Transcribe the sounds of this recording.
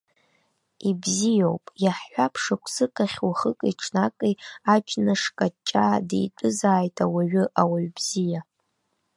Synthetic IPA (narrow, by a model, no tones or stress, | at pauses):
ibzijowpʼjaħːʷapʰʂakʷʰsɨkʰʼaχʲwaχəkʼʈ͡ʂʰnakʼejad͡ʒʼnɨʂkʼat͡ʃʼadḛjtʷʼʊzaːjtʼawaɥʊʔawaɥbz̥ija